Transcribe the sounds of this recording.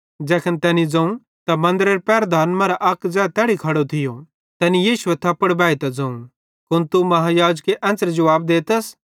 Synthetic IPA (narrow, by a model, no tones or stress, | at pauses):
d͡zɛːkʰənt̪ɛːnid͡zɐ̃ũ | t̪ɐmɐ̃nd̪ɾeɾpɛːɾd̪aːnmãɾaʔɐkd͡zɛːt̪ɛːɽikʰɐɽot̪ʰɪjo | t̪ɛːnijiːʃuɛt̪ʰɐpːəɽbɛːit̪ɐd͡zɐ̃ũ | kʊnt̪umɐɦajaːd͡ʒkeʔɛ̃nt͡səɾd͡ʒɐʋaːb̚d̪eːt̪əs